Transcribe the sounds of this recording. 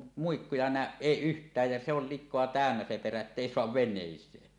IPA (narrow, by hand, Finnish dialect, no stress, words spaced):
muikːujɑ næˑøʔ ʔeˑi ʔyhtˑæːj jɑ se ol likˑoɑ tæˑønːæ se peræ etːeˑi soɑʋ ʋenˑeˑisˑeː